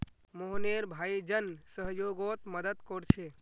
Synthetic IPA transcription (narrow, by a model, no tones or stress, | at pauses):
moɦneɾbʱaid͡ʒənsəɦjoɡot̪məd̪əd̪kɔɾt͡ʃʰe